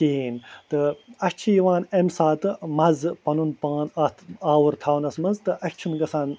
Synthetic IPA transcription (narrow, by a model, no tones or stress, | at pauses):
keːnt̪ɨɐt͡ʃʰijiʋaːnemsaːt̪ɨmɐzpɐnunpaːnɐt̪ʰaːwuɾt̪ʰaːwnɐsmɐnzt̪ɨʔɐt͡ʃʰunɡɐsaːn